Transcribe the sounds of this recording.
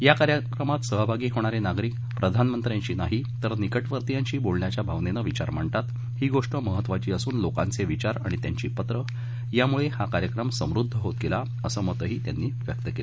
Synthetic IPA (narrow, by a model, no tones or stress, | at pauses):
jakaɾjəkɾəmat̪səɦbʱaɡiːɦoɽ̃aɾenaɡɾiːk | pɾəd̪ʱanmənt̪ɾjaɲt͡ɕiːnaɦit̪əɾnikəʈʋəɾt̪ijaɲt͡ɕiːbolɳjat͡ɕjabʱaʋnenəʋit͡ɕa̰ɾm̤əɳt̪at̪ | ɦiːɡoʂʈəməɦət̪ːʋat͡ɕiːəsuːnloka̰nt͡seʋit͡ɕaɾa̰ɽ̃it̪jaɲt͡ɕiːpət̪ɾə | jamuɭehakaɾjəkɾəmsə̃mɾud̪ʱːəɦot̪kela | əsəːmət̪əɦiːt̪ja̰nːiːʋjək̚t̪əkele